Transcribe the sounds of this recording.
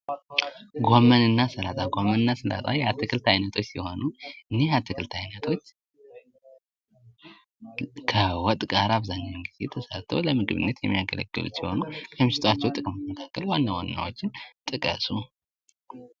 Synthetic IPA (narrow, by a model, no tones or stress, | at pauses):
ɡomːənɨnːasɨlat̪ʼaɡomːənɨnːasɨla̰t̪ʼajat̪ʰːɨkʰɨlt̪ʰajnət̪ʰo̞t͡ʃːsiho̞nuʔɨnːe̞hat̪ʰːɨkʰɨlt̪ʰajnət̪ʰo̞t͡ʃː | kʰəwɔt̪ʼkʼaɾaβzaɲːawɨnɡizet̪ʰəsa̰t̪ʰːə̰wləmɨɡɨβɨ̰nːət̪jɛ̰mːijaɡə̰lə̰ɡːɨ̰lṵsiho̞nukʰəmɨʃɪt̪wat͡ʃːɛwt̪ʼɨkʼɨmot̪məkʰakːəlwanːawanːa̰wo̞t͡ʃːɪnt̪ʼɨkʼə̰sʼu